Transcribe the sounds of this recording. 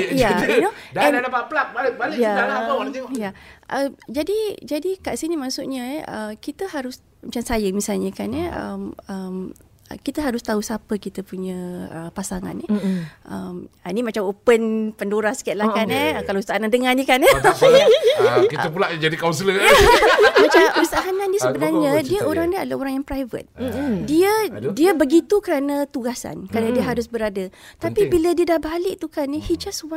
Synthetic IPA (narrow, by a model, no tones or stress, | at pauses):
janodaɛnlapapəlat̚baləbaləjadalaaawaat̪iŋɔjaʔəmd͡ʒadid͡ʒadikaʔsinimaʔsuʔɲəəkit̪əhaɾʊs | mat͡ʃamsajəmisalɲəkanəə̰məm | ə̰kit̪əɦaɾʊst̪ausapəkit̪əpuɲə̃əpasaŋa̰nɛʔəmanimat͡ʃamopənpəndoɾahsə̥kiat̪ʔ̪̚lahkanəkalastaanandəŋãndikanə | kit̪əpulaʔd͡ʒadikawnsələjamat͡ʃamusaʔaɦanãndiəsəbənarɲədiəʔoɾaŋdiəadlaoɾaŋjaŋpɾajvə̰t̪̚diədiəbəɡit̪ukəɾanãt̪uɡasa̰nkəɾadadiəɦaɾʊsbəɾadat̪apibilədiədahbalɪʔt̪ukanihid͡ʒasuwa